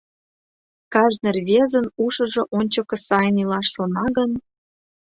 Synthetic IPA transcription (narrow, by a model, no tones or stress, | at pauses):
kɑʒnerβezə̆nuʃɤ̆ʒŏʔonʲt͡ɕokɤ̆sɑjnilɑʃːonɑɣən